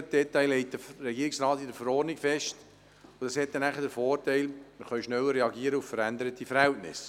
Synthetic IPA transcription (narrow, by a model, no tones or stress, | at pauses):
d̥ɛtɑɪlɛɪt̚dərɛɡiːɾɪksɾɑːt̪idəfəɾɔːrnɪkfɛʃt | ʊd̥ɑshɛt̪̚ːɛnæχədəɾfɔːrtæɪlməɾχœʏʃnɛwəɾɛɑɡiəɾəuffəɾænd̪əɾətifəɾhɛltnɪ̰s